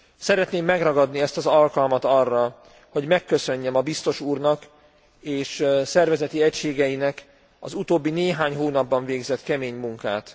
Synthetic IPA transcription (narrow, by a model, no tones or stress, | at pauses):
sɛɾɛt̪neːmːɛɡrɒɡɒd̪niɛst̪ɒzɒlkɒlmɒt̪ɒrːɒ | ho̞ɟmɛkːøsø̞ɲːɛmɒbist̪o̞ʃuːrnɒk | eːʃsɛrvɛzɛt̪iɛcʃeːɡɛjinɛk | ɒ̰zut̪oːbːineːɦaːɲɦoːnɒbːɒɱveːɡzɛt̪kɛmeːɲmuŋka̰ːt̪